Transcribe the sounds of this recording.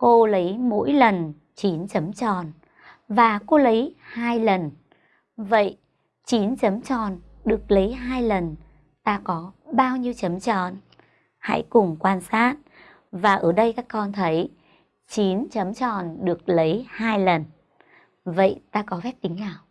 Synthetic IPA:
ko˧lə˨˦jmo̰˧˥jlə˨˩n | t͡ɕi˨˦nt͡ɕə˨˦mt͡ɕɔ˨˩n | vaː˨˩ko˨˧˦lə˨˦jhaː˧jlə˨˩n | və̰˧˨j | t͡ɕi˨˦nt͡ɕə˨˦mt͡ɕɔ˨˩n | ɗɨ˨˩ə˩k̚lə˨˦jɦaː˧jlə˨˩n | t̪aː˧kɔ˨˦ɓaː˧wɲi˧əwt͡ɕə˨˦mt͡ɕɔ̰˧˨n | ha̰˧˥jkʊ˨˩ŋ͡mkwaː˧nsaː˦˥t̚ | vaː˨˩ʔəː˧˩ɗə˧jkaː˦˥kːɔ˧nt̪ʰə˨˦j | t͡ɕi˨˦nt͡ɕə˨˦mt͡ɕɔ˧˩nɗɨ˨˩ək̚lə˨˦jhaː˧jlə˨˩n | və̰˧˨jt̪aː˧kɔ˨˦fɛ˦˥p̚k̪ï˨˦ŋ̟naː˨˩w

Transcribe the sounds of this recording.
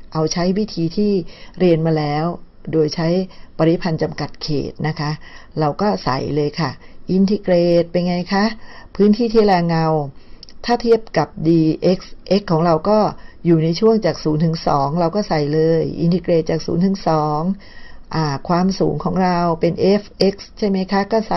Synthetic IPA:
ʔa˧wt͡ɕʰa˦˥jwi˦˥t̪ʰiː˧t̪ʰiː˥˩ɾi˧ənmaː˧lɛː˦˥w | doː˧jt͡ɕʰa˦˥jpa˧ɾi˦˥pʰa˧nt͡ɕa˧mka˨˩t̪̚kʰḛː˨˩t̪̚na˦˥kʰa˦˥ʔ | ɾa˧wkɔː˥˩sa̰˨˩jlɤː˧jkʰa˥˩ʔi˧nt̪ʰi˧kɾeː˨˩t̪̚pa˧jŋa˧jkʰa˦˥pʰɯː˦˥nt̪ʰiː˥˩t̪ʰiː˥˩ɾaː˧ŋa˧wt̪ʰaː˥˩t̪ʰi˥˩əp̚ka˨˩p̚diː˧ʔe˦˥k̚sʔe˦˥kʰːɔː˩˦ŋɾa˧wkɔː˥˩juː˨˩na˧jt͡ɕʰu˥˩əŋt͡ɕaː˨˩k̚suː˩˦nt̪ʰɯ˩˦ŋsɔː˩˦ŋɾa˧wkɔː˥˩sa˨˩jlɤː˧jʔḭ˧nt̪ʰi˧kɾeː˨˩t̪̚t͡ɕaː˨˩k̚sṵː˩˦nt̪ʰɯ˩˦ŋsɔː˩˦ŋ | ʔaː˧˩kʰwaː˧msuː˩˦ŋkʰɔː˩˦ŋɾa˧wpe˧nʔe˦˥fʔe˦˥k̚st͡ɕʰa˥˩jma˦˥jkʰa˦˥kɔː˥˩sa˨˩

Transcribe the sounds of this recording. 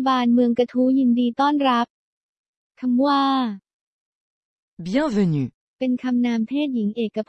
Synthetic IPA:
baː˧nmɯ˧əŋka˧t̪ʰuː˦˥ji˧ndiː˧t̪ɔː˥˩nɾa˦˥p̚ | kʰa˧mwaː˧˥ | bi˨ɛ˧˩nve˧ny˨˦ | pe˧nkʰa˧mnaː˧mt̪ʰeː˥˩t̪̚ji˩˦ŋʔeː˨˩kːa˧pʰ

